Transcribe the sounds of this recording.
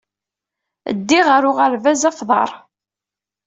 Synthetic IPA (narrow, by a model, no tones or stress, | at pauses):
ə̰d̪ːiʁəɾʊʁaɾvæzɑfðˤɑ̰ɾˤ